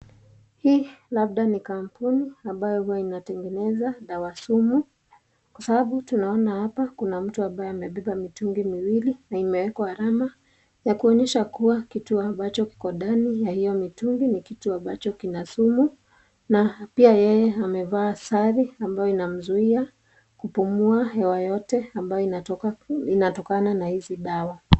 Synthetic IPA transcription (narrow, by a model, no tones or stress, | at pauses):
hiːlab̚ɗanikampuniambajɔhuwainatɛŋɡɛnɛzaɗawasumu | kwasabaɓutunaɔnahapakunam̩tuambajɔamɛɓɛɓamituŋɡimiwilinaimɛwɛkahaɾama | jakuɔɲɛʃakuwakituambat͡ʃɔki̥kɔɗanijahijɔmituŋɡinikituambat͡ʃɔkinasumu | napiajɛjɛamɛvaːsaɾiambajɔinam̩zuia | kupumuaɦɛwajɔtɛambajɔi | inatɔkananahiziɗawa